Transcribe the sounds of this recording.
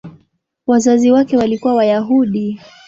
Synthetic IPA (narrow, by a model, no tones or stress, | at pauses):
wazaziwakɛwalikuwawajaɦuɗi